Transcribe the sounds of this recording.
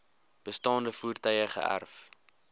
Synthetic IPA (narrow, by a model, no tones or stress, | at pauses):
b̥əstɑːndəfuːrtœjəχə̰ʔæ̰rf